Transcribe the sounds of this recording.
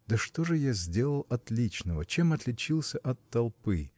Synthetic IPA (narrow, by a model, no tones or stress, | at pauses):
d̪əʂt̪oʐɨjazʲdʲe̞lˠəlˠɐt̪lʲit͡ɕnəvət͡ɕemɐt̪lʲɪt͡ɕilˠsʲəʔɐt̪ːɐlˠpɨ